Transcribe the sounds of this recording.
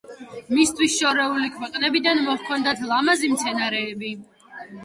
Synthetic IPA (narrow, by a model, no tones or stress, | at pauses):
mist̪ʰwisʃɔɾɛulikʰwɛq̪ʼnɛbid̪anmɔχkʰɔnd̪at̪ʰlˠamazimt̪sʰɛnaɾɛːbi